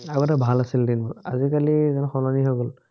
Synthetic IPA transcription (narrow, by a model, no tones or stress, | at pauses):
auɛtabʱalasildinbɔa̰zikalizanxɔlaniɦɔɡɔl